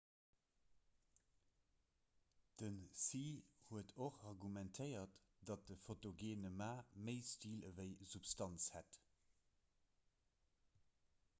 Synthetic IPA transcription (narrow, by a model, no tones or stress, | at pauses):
d̥ənsiːhuətʰoχɑʁɡumæntʰəɪɐt | d̥ɑt̚dəfotoɡeːnəmaːməɪstiːləvəɪzupstɑnshæt